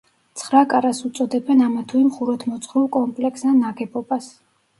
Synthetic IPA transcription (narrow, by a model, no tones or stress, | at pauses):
t̪sʰχɾakʼaɾasut̪sʼɔd̪ɛbɛnamat̪ʰuimχuɾɔt̪ʰmɔt̪sʰχɾulkʼɔmpʼlɛksanaɡɛbɔbas